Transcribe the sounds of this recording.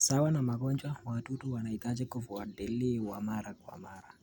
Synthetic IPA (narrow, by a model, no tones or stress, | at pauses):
sawanamaɡɔnt͡ʃʼwawatutuwanait̪ad͡ʒɛkɔvuadɛlːiwamaɾakwa̰maɾa